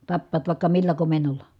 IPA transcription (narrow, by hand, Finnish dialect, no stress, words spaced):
tɑpːɑːt ʋɑˑi̯kːɑ milːæ komenˑolˑɑ